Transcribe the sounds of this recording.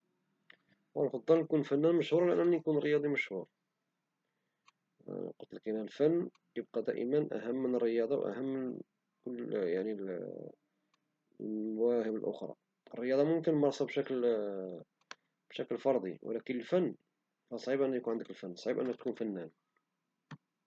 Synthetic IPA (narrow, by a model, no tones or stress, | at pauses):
walxət̪ˤːɑlnkunfænːænməʃhuɾˤliʔənːʔænːijkunərːəjɑd̪ˤiməʃhuɾ | qʊt̪ːəlkinælfənː | jəb̚qɑd̪æ̰ʔə̰mənʔæ̰ɦəmːənərːəjɑd̪ˤɑwʔæ̰həmːən | kʊlːjaʕnil | mæwæhəbəlʔʊ̰xɾˤɑ̰ | ərːəjɑd̪ˤɑmʊmkənmɑɾˤsˤɑbʃækl | b̥ʃæklfɑɾˤd̪ˤḭw̰lækənəlfənː | fæsˤʕibʔənːjkunʕənd̪əkəlfənːsˤʕibʔə̰nːək̚t̪̚kunfænːæn